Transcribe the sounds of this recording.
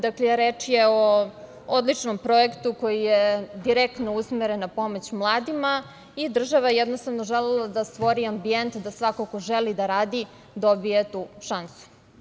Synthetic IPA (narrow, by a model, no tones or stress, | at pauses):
d̪aklejeɾeːt͡ʂjeo | od̪lˠit͡ʃno̞mpɾo̞ekt̪uko̞jijed̪iɾek̚t̪nousmeɾenapo̞mot͡ɕmlˠaːd̪ima | id̪r̩ʒaʋajejed̪nost̪aʋnoʒelelˠad̪ast̪ʋo̞ɾiambient̪d̪asʋakoko̞ʒelid̪aɾaːd̪i | d̪o̞bijet̪uːʃansu̥